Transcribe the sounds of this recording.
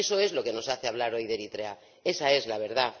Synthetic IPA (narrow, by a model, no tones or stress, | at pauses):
esoe̞zlo̞ke̞no̞saθeaβ̞laɾo̞jðe̞ɾit̪ɾea | e̞sae̞zlaβ̞e̞ɾða